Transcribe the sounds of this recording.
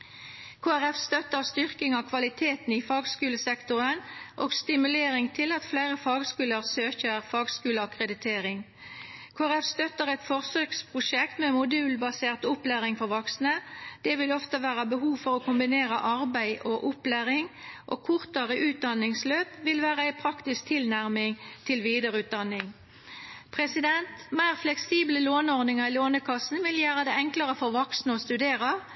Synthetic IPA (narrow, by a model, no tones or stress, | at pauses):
kʰoːæʁɛfst̪œt̪əʁst̪ʏʁkɪŋɑkʰʋɑlɪt̪ʰeːt̪n̩ifɑːɡskʉːləsɛkt̪ʊʁənʔoːɡst̪ɪmʉleːʁɪŋt̪ʰɪlɑt̪flæɪʁəfɑːɡskʉːləʁsøːçəʁfɑːɡskʉːləɑkʁəd̪ɪt̪ʰeːʁɪŋ | kʰoːæʁɛfst̪œt̪əʁɛt̪fɔʁsøkspʰʁʊʃɛk̚t̪mɛmʊd̪ʉːlbɑseːʁt̪ʊplæːʁɪŋfɔʁʋɔksnəd̪̥ɛʋɪlɔft̪əʋæːʁəbəɦuːʋfɔʁɔkʰʊmbɪneːʁəʔɑʁbæɪʔɔʔʊplæːʁɪŋʔo̰kʰʊʁt̪əʁəʔʉːt̪̚d̪ɑnːɪŋsløːpʋɪlʋæːʁəæɪpʰʁɑkt̪ɪsk̚t̪ʰɪlnæʁmɪŋt̪ʰɪlʋiːd̪əʁʉːt̪̚d̪ɑnːɪŋ | pʰʁɛsɪd̪ɛnt̪mæɪʁflɛksiːbləloːnɔʁd̪ɪŋəʁiloːnəkʰɑsn̩ʋɪljæːʁəd̪ɛɛŋkləʁəfɔʁʋɔksnəɔst̪ʉd̪eːʁɑ